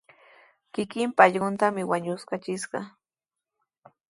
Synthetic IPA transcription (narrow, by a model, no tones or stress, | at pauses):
kɪkɪmpaʎɢʊnt̪amɪwaɲʊskat͡ʃɪsɢɑ